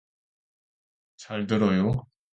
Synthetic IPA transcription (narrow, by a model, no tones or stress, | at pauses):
t͡ɕaɭdɯɾʌjo